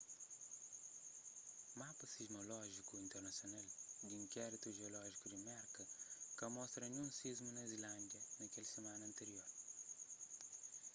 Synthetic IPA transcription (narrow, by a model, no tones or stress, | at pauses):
mapɐsizmolɔʒikuĩnt̪eɾnɐsjonɐld̪iĩŋkʲɛɾit̪uʒeolɔʒikudɪmɛɾkɐkɐmɔst̪ɾɐɲũnsizmunɐzilɐ̃nd̪jɐnɐkʲɛlʲsemanɐ̃ːnt̪eɾioɾ